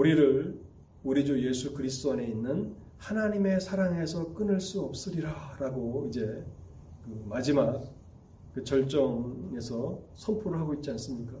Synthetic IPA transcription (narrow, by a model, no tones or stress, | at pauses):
uɾiɾɯɭ | uɾid͡ʑuje̞sʰukɯɾis̬t͈woneinːɯn | hanaɲime̞sʰaɾaŋe̞sʰʌk͈ɯnɯɭs͈uʌp̚s͈ɯɾiɾaɾaɡoid͡ʑe̞ | kɯmad͡ʑimak̚ | kɯt͡ɕʌɭt͡ɕ͈ʌŋe̞sʰʌsʰʌmpʰoɾɯɭɦaɡoit̚t͡ɕ͈ians͈ɯmɲik͈a